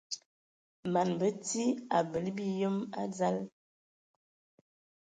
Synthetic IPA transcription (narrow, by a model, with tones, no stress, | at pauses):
ma˨nbə˦ti˦a˨bə˨lbi˦jə˦ma̰˦za˦l